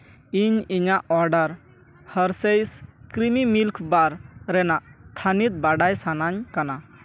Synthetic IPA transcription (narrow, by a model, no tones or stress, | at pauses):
iɲiɲaʔɔɾɖəɾ | həɾsejskɾimimilkʰbaɾɾɛnaʔt̪ʰanit̪̚baɖajsanaɲkana